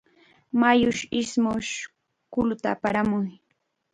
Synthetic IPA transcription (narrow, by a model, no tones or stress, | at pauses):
majʊʃɪsmʊʃ | kʊlʊt̪aːpaɾamʊj